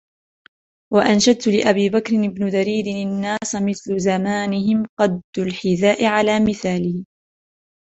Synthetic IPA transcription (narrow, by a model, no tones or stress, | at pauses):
waʔanʃad̪̚t̪ʊlɪʔabiːbakɾɪnɪbnʊd̪aɾiːd̪ɪnanːaːsmɪθlʊzamaːnɪhɪmqɑd̪ʊlħɪðaːʔɪʕalaːmɪθaːliː